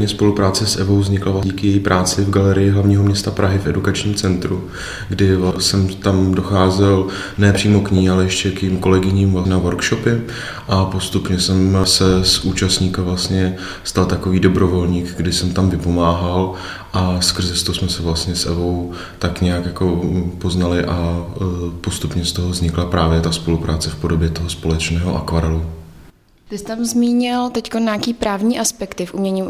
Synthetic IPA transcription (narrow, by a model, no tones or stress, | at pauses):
ɲɛspo̞lupɾaːt͡sɛsʔɛvo̞wvzɲɪklavlaɟiːkɪjɛjipɾʔaːt͡sɪvɡalɛɾɪjɪɦlavɲiːɦo̞mɲɛst̪apɾʔaɦɪfʔɛdukat͡ʃɲiːmt͡sɛnt̪ɾu | ɡdɪvlasɛmt̪amdo̞xaːzɛl | nɛːpr̥iːmo̞kɲiːalɛjɛʃcɛkjimko̞lɛɡɪɲiːmvlanavoɾkʃopɪ | ʔapo̞st̪upɲɛsɛmsɛsʔuːt͡ʃast̪ɲiːkavlastɲɛ | st̪alt̪ako̞viːdo̞bɾo̞vo̞lɲiːkɡdɪsɛmt̪amvɪpo̞maːɦal | ʔaskr̩zɛst̪osmɛsɛvlast̪ɲɛsʔɛ̰vo̞w | t̪akɲɛjakjako̞po̞znalɪʔa | po̞st̪upɲɛst̪o̞ɦovzɲɪklapɾaːvjɛt̪aspo̞lupɾaːt͡sɛfpo̞do̞bjɛt̪o̞ɦospo̞lɛt͡ʃnɛːɦo̞̰ʔa̰kvaɾɛlu | t̪ɪst̪amzmiːɲɪlt̪ɛckonɲaːkiːpɾaːvɲiːʔaspɛkt̪ɪfʔumɲɛɲim